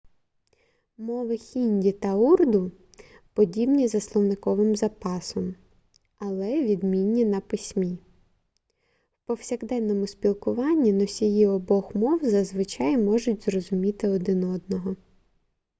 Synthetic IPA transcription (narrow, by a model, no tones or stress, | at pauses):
mɔʋɪxʲinʲdʲit̪ɐurd̪ʊ | pɔdʲibnʲizɐslˠɔwnɪkɔʋɪmzɐpɑsɔm | ɐlˠɛʋʲid̪mʲinʲːinɐpɪsʲmʲi | wpɔwsʲɐɣd̪ɛnːɔmʊspʲilˠkʊʋɑnʲːinɔsʲijiɔbɔxmɔwzɐzʋɪt͡ʃɑjmɔʒʊtʲzrɔzʊmʲit̪ɪɔd̪ɪnɔd̪nɔɦɔ